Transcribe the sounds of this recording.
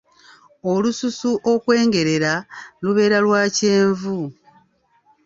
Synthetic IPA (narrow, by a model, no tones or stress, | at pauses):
o̞lususuʔo̞kwe̞ːŋɡe̞ɾe̞ɾaluβe̞ːɾalwaːce̞ːɱvu